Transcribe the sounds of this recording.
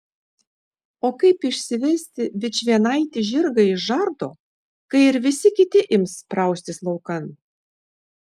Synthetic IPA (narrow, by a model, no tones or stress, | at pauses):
oːkɐɪpɪʃʲsʲɪʋʲɛsʲt̪ʲɪbʲɪt͡ʃʲʋʲiɛnɐˑɪt̪ʲɪʒʲɪɾɡɐɪʃʒɐɾd̪oː | kɐɪɪɾʋʲɪsʲɪkʲɪt̪ʲɪʔɪmspɾɐˑʊsʲt̪ʲɪslˠɐʊkɐn